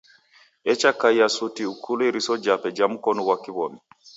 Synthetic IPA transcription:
ʔɛt͡ʃakajasutiukʰuloɾisɔd͡ʒapɛd͡ʒamukɔnuwakːibɔmi

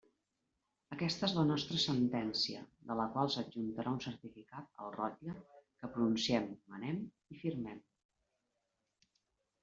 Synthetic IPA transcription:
əkɛst̪əezlənɔst̪ɾəsənt̪ɛnsiə̰d̪ələkwalˠsəd͡ʒunt̪əɾʔaunsəɾt̪ifikat̪̚ə̰lˠrɔt̪ʎəkəpɾununsiɛmːənɛm | ifiɾmɛm

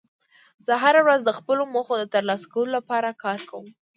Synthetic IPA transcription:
z̥əɦaɾawɾazd̪əxpəloməxod̪ət̪əɾlɑsḁkawəlolapɑɾakʰɑɾkawəm

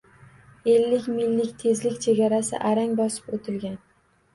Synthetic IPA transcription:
e̞lːɪkʲmɪlːɪkʲt̪ʰe̞zlɪkʲt͡ʃʰeɡʲaɾasɪ̰ʔaɾaŋʲbɒsɪ̥pot̪ʰɪlɡʲan

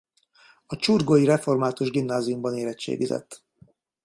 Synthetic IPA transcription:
ɒt͡ʃurɡojiɾɛfo̞rmaːt̪uʒɡimnaːzijumbɒneːɾɛt͡ʃːḛːɡizɛ̰t̪ː

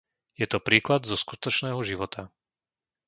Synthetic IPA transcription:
jɛt̪ɔpɾiːklad̪zɔskut̪ɔt͡ʃnɛːɦɔʒiʋɔt̪ʰa

